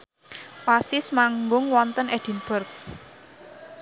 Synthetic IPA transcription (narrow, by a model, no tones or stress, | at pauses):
wasɪsmaŋɡʊŋwɔnt̪ənɛd̪̥i̤nb̥ərk̚